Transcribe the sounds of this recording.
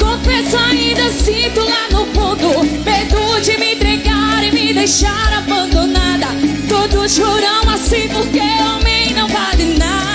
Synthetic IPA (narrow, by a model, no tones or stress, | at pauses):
kõfɛsʊaĩd̪ɐsĩt̪ʊlanʊfõd̪ʊmed̪ud͡ʒɪmɪt̪ɾeɡaɾɪmɪd̪ejʃaɾabɐ̃nd̪onad̪ɐt̪od̪ʊsʒoɾɐ̃w̃asĩpʊɾkeõmẽj̃nɐ̃w̃valɪna